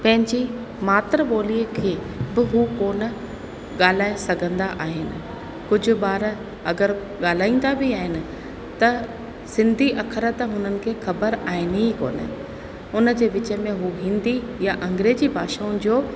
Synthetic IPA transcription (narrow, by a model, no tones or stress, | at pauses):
pɐ̃ɦɪ̃ɲd͡ʑi | maːt̪ɾəɓoːliːəkʰeː | bɪɦuːkoːnə̆ | ɠaːl̤aːesɐɡʱə̃nd̪aʔaːɦɪnɪ̆ | kʊd͡ʑʱʊ̆ɓaːɾ | ɐɡəɾ | ɠaːl̤aːĩːn̆d̪abɪaːɦɪnɪ̆ | t̪ɐ | sɪ̃nd̪ʱiʔɐkʰəɾət̪ɦʊnənɪ̆kʰeːxɐbəɾaːɦɪnɦiko̰ːnə̰ | ʊnə̆d͡ʑeːʋɪt͡ɕə̆mẽɦuɦɪ̃nd̪ijaʔɐ̃ŋɡɾeːd͡ʑibʱaːʃaːʊ̃nɪ̆d͡ʑoː